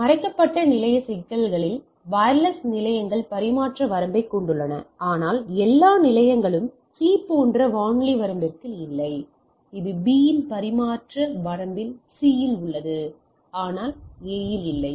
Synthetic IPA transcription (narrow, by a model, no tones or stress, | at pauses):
mɐɾɐɪkːɐpːɐʈːɐnɪlɐjɐsɪkːɐlɣɐɭɪl | ʋɐːɾlɐsnɪlɐjɐŋɡɐɭpɐɾɪmaːʈrɐʋɐɾɐmbɐɪkːɔɳɖɯɭːɐnɐ̰aːnaːlɛlːaːnɪlɐjɐŋɡɐɭɯm | siːpoːndrɐʋaːŋɭiʋɐɾɐmbɪrkɯɪlːɐɪ | ɪðɯbiːjɪnpɐɾɪmaːʈrɐʋɐɾɐmbɪlsiːjɪlʊɭːɐðɯ | aːnaːleːjɪlɪlːɐɪ